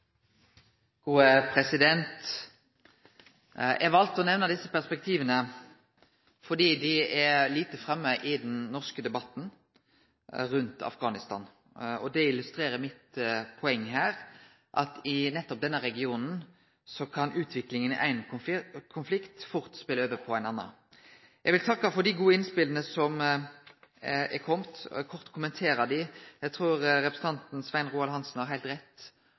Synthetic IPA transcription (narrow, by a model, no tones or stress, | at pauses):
ɡ̥uːəpʰɾɛsɪd̪ɛnt̪ | jʔɛ̰ʋɑlt̪ɔnɛʋnəd̪ɪsːəpæʁspɛk̚t̪ʰiːʋənə | fɔɖ̪iːd̪ɪɛliːt̪əfɾɛmːəʔɪd̪ɛnnɔʁskəd̪ɛbɑt̪ːn̩ | ɾʉnt̪ɑ̰fɡɑːnɪst̪ɑ̰ːn | ɔd̪ɛɪlʉst̪ɾeːɾəmɪt̪pʰɔɛŋːɦæːɾ | ʔɑ̰t̪ɪnɛt̪ːɔp̚d̪ɛnːəɾɛɡɪuːnn̩ | sɔkʰɑnʉːt̪ʰʋɪklɪŋənɪ̰ʔæ̰ɪnʊkʰʊnflɪkt̪fʊɾt̪spɪləøːʋəpʰɔæɪnɑnːɑ̰ | jɛɡʋɪlt̪ʰɑkːɑfɔɾd̪ɪɡuːəɪnspɪlənəsɔm | ɛkʰɔmt̪kʰɔɾt̪kʰʊmənt̪ʰeːɾɑd̪ɪjæɪt̪ʰɾuːɾɾɛpɾəsn̩t̪ɑnt̪n̩sʋæɪnɾuːɑlɦɑnsn̩hɑɾɦæɪlt̪ɾɛt̪ː